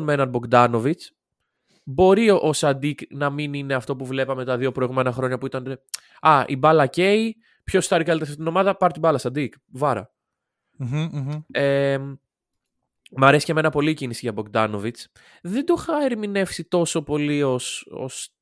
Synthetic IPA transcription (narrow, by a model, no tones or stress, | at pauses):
nmenɐnbo̞ɡd̪ɐno̞vit͡s | bo̞ɾioʔosɐd̪iknɐminine̞ɐft̪o̞puvle̞pɐme̞t̪ɐðio̞pɾo̞iɣume̞nɐxɾo̞ɲɐpuit̪ɐn | ɐʔibɐlɐce̞j | pço̞st̪ɐɾikɐlit̪efit̪ino̞mɐðɐpɐɾt̪ibɐlɐsɐd̪ik | vɐɾɐ̰ | e | mɐɾe̞siceme̞nɐpo̞licinisiʝɐboɡd̪ɐno̞vit͡s | ðed̪oxɐeɾimine̞fsit̪o̞so̞po̞lio̞so̰s